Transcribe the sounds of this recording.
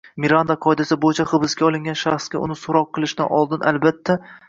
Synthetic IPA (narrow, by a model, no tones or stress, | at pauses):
miɾand̪aqʰɒɪd̪asɪbojɪt͡ʃʰaχɨbɪsɡʲaɒlˠɪŋɡʲanʃaχsɡʲaʊ̰nɪsʊɾɒqʰːɨlˠɪʃnɪ̰ʔɒlˠd̪ɪnʔa̰lbat̪ʰːa